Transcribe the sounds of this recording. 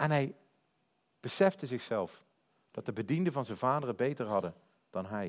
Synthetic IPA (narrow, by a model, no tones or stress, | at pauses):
ʔɛnɦɛj | b̥əsɛftəzɪxsɛlˠf | d̥ɑt̚dəbədindəvɑnzɛnvaːdərəbejtəɹɦɑdə | d̥ɑnɦɛj